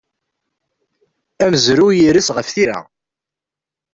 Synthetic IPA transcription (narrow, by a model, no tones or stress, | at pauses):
æməzɾujiɾisʁəfθiɾa̰